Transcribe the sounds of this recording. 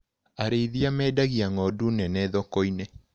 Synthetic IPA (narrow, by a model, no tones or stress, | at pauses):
aɾeiðiamɛːdaɣiaŋɔdunɛnɛðɔkoine